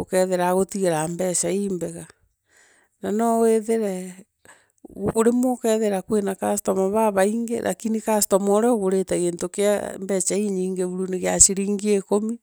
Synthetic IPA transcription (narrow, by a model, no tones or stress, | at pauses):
okɛðeɾaɣotiɣeɾambɛʃaimbɛɣa | nanɔweðeɾɛ | ɣokoɾemokɛðeɾakwenakastɔmaβaβaiŋɡḛɾʔa̰kinikastɔmɔɾɔɣoɾetaɣeːntokeambɛt͡ʃaiɲiːŋɡeβuɾuneɣjaʃiɾiːŋɡiekomi